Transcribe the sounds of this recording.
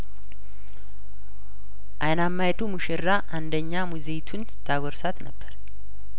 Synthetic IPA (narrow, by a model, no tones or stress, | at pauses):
ʔajnamːajt̪ʰumɨʃɪɾːaʔand̪əɲːamuzet̪ʰunst̪ʰːaɡɔɾsat̪nəbːəɾ